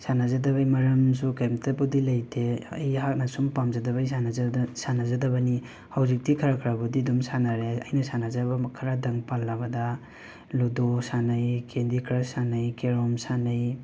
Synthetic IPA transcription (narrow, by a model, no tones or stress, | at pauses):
sanazadɐβajmɐɾɐms̬ukemtʰabudilɐjtʰeɐjɦak̚nasumpamzadɐβajsanazadɐbɐni | hawzik̚dikʰɐɾakʰɾabudidumsanaɾeɐ̰jnɐsanazabɐkʰɐɾadɐŋpalːabɐdɐ | ludosanajkʰendikʰɾasanajkeɾɔmsanaj